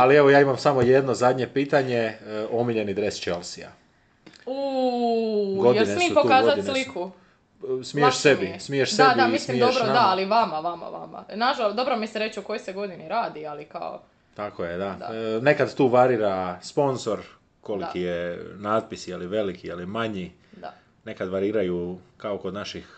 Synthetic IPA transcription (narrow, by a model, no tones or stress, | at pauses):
alie̞ʋojaːimamsamo̞je̞d̪nozad̪ɲe̞piːt̪aɲeo̞miʎe̞nid̪ɾe̞st͡ʃe̞lˠsia̰ | u | ɡodjeinemiːtpokaːzat̪isliku | smijeʃsebismieʃediamislmiid̪oʃbɾond̪aaliʋamaʋama̰ʋa̰ma̰naʒalod̪o̞bɾomiseɾet͡ʃoko̞joseɡo̞d̪iniɾaːd̪ialika̰o̰ | t̪akojed̪ad̪ane̞kad̪t̪uːʋaɾiːɾaspo̞nzo̞ɾ | ko̞likijenaːd̪̚pisijeliʋe̞likʰijelimaɲi | d̪a | ne̞kad̪ʋaɾiːɾajukaokod̪naʃix